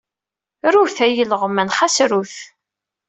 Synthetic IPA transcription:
ɾuθæjələʁmænχasɾuθ

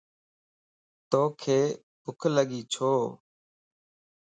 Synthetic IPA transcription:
t̪oːkʰeː | pʊkʰləɠiːt͡ʃʰoː

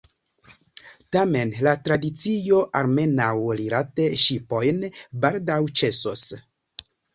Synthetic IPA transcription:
tame̞nlatɾadit͡sio̞ʔaɾme̞nawliɾateʃipo̞jnbaldawt͡ʃe̞sos

